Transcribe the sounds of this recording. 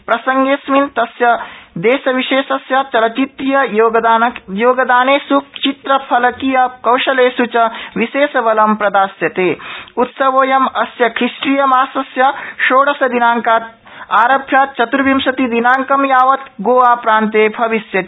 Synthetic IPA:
pɾɐsɐŋɡeːsmint̪ɐsjɐd̪eːsɐʋiʃeːsɐsjɐt͡ʃɐlɐt͡ʃit̪ːijɐjoːjoːɡɐd̪aːneːsuk̚t͡ʃit̪ɾɐpʰɐlɐkijɐkɐwʃɐleːsut͡ʃɐʋiʃeːsɐʋɐlɐmpɾɐd̪aːsjɐt̪eːut̪sɐʋoːjɐmɐsjɐkʰɾisʈɾijɐmaːsɐsjɐʃoːɽɐsɐd̪inaːŋkaːt̪̚ | aːɾɐbʰʱjaːt̪̚t͡ʃɐt̪ɾuʋimsɐt̪id̪inaːŋkɐmjaːʋɐt̪ɡoːʋaːpɾaːnt̪eːbʱɐʋisjɐt̪i

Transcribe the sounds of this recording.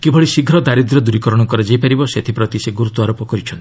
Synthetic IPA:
kibʱɔɭisiɡʱɾɔd̪aɾid̪ɾɔd̪uɾikɔɾɔɽ̃ɔkɔɾed͡ʒepaɾibɔset̪ʰipɾɔt̪iseɡuɾut̪ːuaɾopɔkɔɾit͡ʃʰɔnt̪i

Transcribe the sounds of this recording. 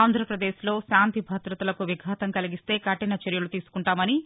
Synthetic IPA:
aːnd̪ʱɾɐpɾɐd̪e̞ːʃlo̞ːʃaːnt̪ibʱɐt̪ɾɐt̪ɐlɐkuʋiɡʱɦɐt̪ɐmkɐliɡist̪e̞ːkɐʈinɐt͡ʃeɾjɐlut̪iːsu̥kuɳʈaːmɐni

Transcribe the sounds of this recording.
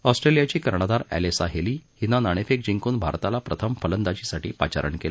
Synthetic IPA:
ɔsʈɾelijat͡ɕiːkəɾɳəd̪aɾæ̰lesaɦeliːhinanaɽ̃efek̚d͡ʑiŋkuːnbʱa̰ɾt̪alapɾət̪ʰəmfələnd̪at͡ɕisaʈiːpa̰t͡ɕa̰ɾə̰ɳkela

